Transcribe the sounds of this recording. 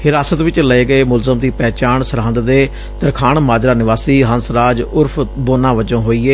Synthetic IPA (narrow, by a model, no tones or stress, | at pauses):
hɪɾaːsət̪ʋɪt͡ʃləeːɡəeːmʊlzəmd̪iːpɛːt͡ʃaːɳsəɾãːnd̪d̪eː | t̪əɾkʰaːɳmaːd͡ʒɾaːnɪʋaːsiːɦənsɾaːd͡ʒʊɾpʰboːnãːʋəd͡ʒõːɦoːiːeː